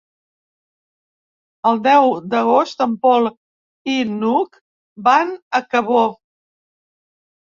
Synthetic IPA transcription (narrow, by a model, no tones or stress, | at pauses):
əlˠd̪ɛwd̪əɣ̞ost̪əmpɔlˠ | inuk | banəkəβo